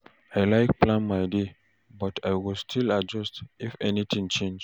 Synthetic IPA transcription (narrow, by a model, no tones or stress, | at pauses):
ajlaɪk̚pʰlãnmaɪde | bɔtʰajwɪlstʰilad͡ʒɔstifɛnit̪ʰĩŋt͡ʃẽnd͡ʒ